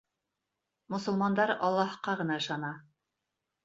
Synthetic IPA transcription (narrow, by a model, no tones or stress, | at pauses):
mŏsɤ̆lˠmɑnd̪ɑɾɑlˠːɑhqɑʁɤ̆nɑɤ̆ʃɑnɑ